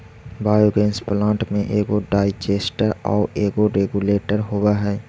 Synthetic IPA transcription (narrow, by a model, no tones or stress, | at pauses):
baːjoɡeːnsplãːɳʈmẽʔeːɡoɖaːɪd͡ʒeːsʈəɾɔ̰ːɾeːɡoɾeːɡuleːʈəɾɦoːwaɦɛː